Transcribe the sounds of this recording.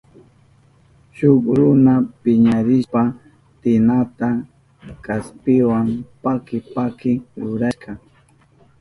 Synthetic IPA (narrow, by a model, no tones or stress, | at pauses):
ʃʊkɾʊnapɪɲaɾɪspa | t̪ɪnat̪a | kaspɪwampakɪpakɪɾʊɾaʃkɑ